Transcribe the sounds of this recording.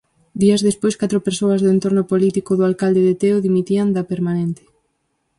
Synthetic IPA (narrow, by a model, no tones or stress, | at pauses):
d̪iɐzðespojskat̪ɾopeɾsoɐzðʊent̪oɾnopolit̪ikoðoalkald̪eðet̪eoðimit̪iand̪apeɾmanent̪ɪ̥